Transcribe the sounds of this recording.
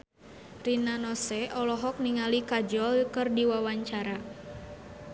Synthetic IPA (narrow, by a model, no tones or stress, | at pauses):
rinanɔsɛʔɔlɔɦɔk̚niŋalikad͡ʒɔlkɨrdiwawaɲt͡ʃaɾa